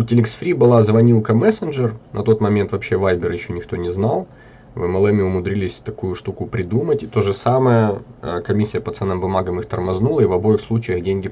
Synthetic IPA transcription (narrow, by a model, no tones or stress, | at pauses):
ʊtʲɪlʲɪksfʲɾʲibɨlˠazvɐnʲilˠkəmɛsənʐɨrnʔɐt̪o̞t̪mɐmʲe̞nt̪vɐpɕːevajbʲɪrjɪɕːo̞nʲɪxt̪o̞nʲɪznalˠ | vɛmɐlˠɛmʲɪʊmʊd̪ɾʲilʲɪsʲt̪ɐkujʊʂt̪ukʊpɾʲɪd̪umətʲɪt̪o̞ʐɨsaməjəkɐmʲisʲːɪjəpɐt̪sɛnːɨmbʊmaɡəmɨxt̪ɐ̰rmɐznulˠəivɐbo̞ɪxslˠut͡ɕɪjəɣdʲenʲɡʲɪ